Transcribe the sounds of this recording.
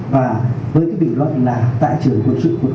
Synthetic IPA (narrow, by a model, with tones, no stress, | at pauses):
vaː˨˩ | vəː˨˦jkaː˨˦jɓḭ˧ŋ̟lwə̰˧˨nlaː˨˩t̪a̰ː˧˨jt͡ɕɨ˨˩əŋku˧˩ət̚sɨ̰˧˥ku˨˩ə